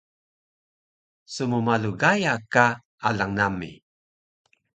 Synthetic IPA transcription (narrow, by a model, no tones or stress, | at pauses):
sumumaluɡajaka | alaŋnamːḭ